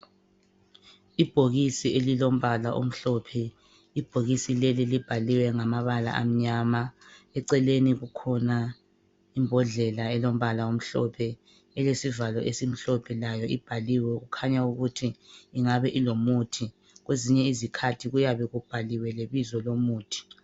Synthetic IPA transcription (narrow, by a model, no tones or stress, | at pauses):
ib̥ʱoɣisielilom̩βalaʔo̰m̩ɬɔpʰɛ | ib̥ʱoɣisilelilib̥ʱaliwɛŋamaβala̰ʔa̰m̩ɲamaɛǀɛleniɣukʰɔna | imbʱɔɮɛlaɛlom̩βalaom̩ɬɔ̰pʰɛ | ɛlesivalɔʔesim̩ɬɔpʰɛlajɔib̥ʱaliwɛɣukʰaɲauɣutʰiːŋaβɛʔilomutʰi | ɣweziɲɛizikʰatʰiɣujaβɛɣub̥ʱaliwɛleβizɔlomuːtʰi̥